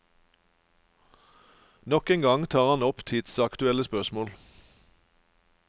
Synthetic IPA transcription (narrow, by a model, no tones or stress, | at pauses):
nɔkɛːŋɡɑŋt̪ʰɑːʁɑnɔpt̪ʰɪd̪̥sɑkt̪ʉɛləspœʁsmoːl